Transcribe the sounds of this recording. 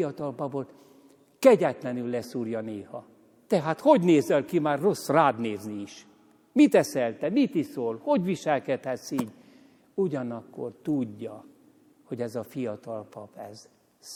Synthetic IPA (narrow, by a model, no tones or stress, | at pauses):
ɒt̪ɒlpɒbo̞t̪ | kɛɟɛt̪lɛnylːɛsuːrjɒneːhɒ | t̪ɛɦaːt̪ho̞ɟneːzɛlkimaːrro̞sraːd̪neːzniiʃ | mit̪ɛsɛlt̪ɛmit̪isoːlho̞ɟʋiʃɛlkɛt̪hɛt̪siːɟ | uɟɒnɒkːo̰rt̪uɟːɒ | ho̞ɟɛzɒfijɒt̪ɒlpɒpɛz